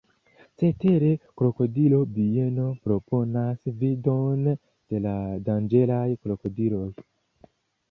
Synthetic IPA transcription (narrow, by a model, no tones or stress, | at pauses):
t͡se̞te̞ɾe̞kɾo̞ko̞dilo̞bieno̞pɾopʰo̞nasvido̞n | d̥e̞ladand͡ʒe̞lajkɾo̞ko̞dilo̞j